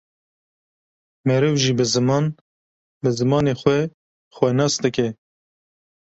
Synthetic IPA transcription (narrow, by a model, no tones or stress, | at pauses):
mɛɾɨvʒiːbɨzɨmɑːn | bɨzɨmɑːneːxʷwɛ | xwʷɛnɑːsd̪ɨkɛ